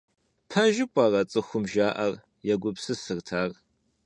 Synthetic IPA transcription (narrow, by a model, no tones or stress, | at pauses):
pʰɐʒɪkʷʼɐrɐt͡sʼɨxʷʊmʒaːʔɐr | jɛɡʷʊpsɨsɨrtʰaːr